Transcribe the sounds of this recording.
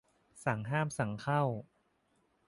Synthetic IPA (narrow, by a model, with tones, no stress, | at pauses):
sa˩˦ŋɦaː˥˩msa˩˦ŋkʰa˥˩w